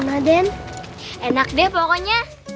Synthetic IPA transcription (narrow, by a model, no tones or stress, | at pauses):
nadɛn | enak̚diapɔkɔɲa